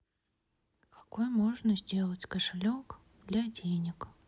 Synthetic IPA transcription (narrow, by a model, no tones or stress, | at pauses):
kḁkojmoʐnəzʲdʲe̞lˠətʲkəʂɨlʲok | d̪lʲadʲenʲɪk